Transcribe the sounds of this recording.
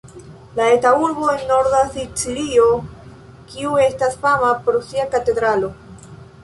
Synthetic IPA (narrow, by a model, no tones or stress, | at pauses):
lae̞tauɾbo̞e̞nːo̞ɾdasit͡silio̞ | kiue̞stasfamapɾosiakate̞d̪ɾalo̞